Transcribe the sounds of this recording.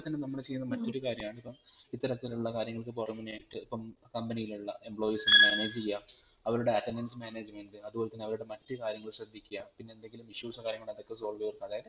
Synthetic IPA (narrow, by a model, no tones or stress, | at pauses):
t̪ːɐnːenɐmːɐɭet͡ɕejːunːɐmɐtːo̞ɾukaːɾjɐmaːɳɨipːɐmit̪ːɐɾɐt̪ːiluɭːɐkaːɾjɐŋːɐɭkɨpoːrɐmːineːʈːɨipːɐmkɐmbɐnijiluɭːɐʔe̞mbɭo̞ːjisenːɨmaːneːd͡ʑt͡ɕejːa | ɐʋɐɾuɽe̞ɐtːendensmaːne̞ːd͡ʑmeɳɖɨɐðubo̞ːlet̪ɐnːeɐʋɐɾuɽe̞mɐtːɨkaːɾjɐŋːɐɭɕrɐd̪ʱːikʲːujapinːe̞end̪e̞ŋɡilumiɕjuːsɐkaːɾjɐŋːɐɭɐðo̞kːe̞so̞ːlʋiɐrkːumɐðaːjɐðɨ